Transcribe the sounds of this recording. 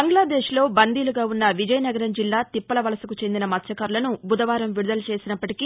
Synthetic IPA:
bɐŋɡlaːd̪eːʃlo̞ːbɐnd̪iːluɡaːunːɐʋid͡ʒɐjɐnɐɡɐɾɐmd͡ʒilːaːt̪ipːɐlɐʋɐlɐsɐkut͡ʃend̪inɐmɐt̪ʃɐkɐːɾulɐnubʱud̪ɐʋaːɾɐmʋiɽud̪ɐlɐt͡ʃe̞ːsinɐpːɐʈiki

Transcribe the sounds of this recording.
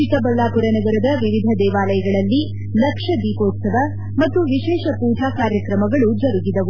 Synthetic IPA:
t͡ʃik̪ɐbɐlːaːpuɾɐnɐɡɐɾɐd̪ɐʋiʋid̪ʱɐd̪ɛːʋaːlɐjɐɡɐɭɐlːi | lɐkʂɐd̪iːkoːt̪sɐʋɐ | mɐt̪ːuʋiʃɛːʃɐpuːɖʱaːkaːɾjɐkɾɐmɐɡɐɭud͡ʒɐɾuɡid̪ɐʋu

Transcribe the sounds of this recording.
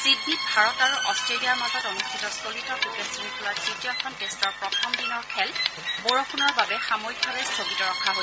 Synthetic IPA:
sidʱːit̚bʱaɹɔtaɹuʔɔstɹeliaɹmatɔtonuxstʰitɔskolitɔkukɛsinikʰulasitjɔkʰɔntestɔɹpɹɔtʰɔmdinɔɹkʰɛlboɹoxʰunɔɹbabɛxamoik̚bʱabɛstʰoɡitɔɹɔkʰaɦo

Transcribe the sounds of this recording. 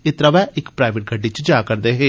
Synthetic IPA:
ɪt̪ɾaʋɛːʔɪkpɾaːjʋeʈ̚ɡʱəɖit͡ʃd͡ʒaːkəɾd̪eːɦeː

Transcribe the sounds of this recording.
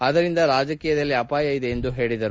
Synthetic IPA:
ɐðɐɾind̪ɐɾaːd͡ʒɐkiːjɐðɐlːiɐpaːjɐjiðeːnd̪uɦe̞ːɭid̪ɐɾu

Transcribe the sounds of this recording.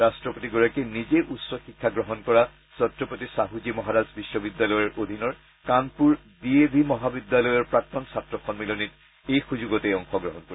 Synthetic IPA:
ɹastɹɔpotiɡɔɹakenizeʔutsɔxikʰːaɡɹɔɦɔnkɔɹa | sɔtɹɔpotisaɦuzimɔɦaɹazbisːɔbidːalɔjɔɹʔod̪ʱinɔɹ | kanpuɹ | diebʱimɔɦabidːalɔjɔɹpɹak̚tɔnsatɹɔxɔnmilɔnit̚ | ejxuzuɡɔteɔŋxɔɡɹɔɦɔnko

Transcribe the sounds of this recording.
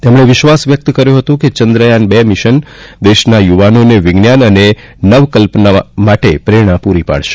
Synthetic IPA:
t̪emɳ̃eʋɪʃʋasʋjək̚t̪kəɾjũɦət̪ũket͡ʃənd̪ɾəjanbemɪʃənd̪eʃnajuʋanoneʋɪɡnjanəne | nəʋkəlpnamaʈepɾeɽ̃ãpuɾipa̰ɭʃe̥

